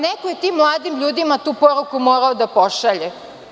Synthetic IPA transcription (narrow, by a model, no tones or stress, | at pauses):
nekojet̪imːlˠaːd̪imʎuːd̪imat̪uːpoɾukumoːɾaod̪apoʃaʎe